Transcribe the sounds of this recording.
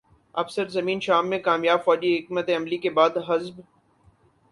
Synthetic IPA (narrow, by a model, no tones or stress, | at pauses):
ɐ̰fsəɾzɐmĩːnʃaːmːẽkaːmjaːbfɔːd͡ʒiɦɪk̚mət̪eɐmlikebaːd̪ɦɐzb